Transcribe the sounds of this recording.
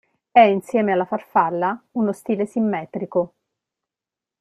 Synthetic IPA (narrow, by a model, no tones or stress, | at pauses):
ɛinsjɛːmealːafarfalːaunost̪iːlesimːɛːt̪ɾiko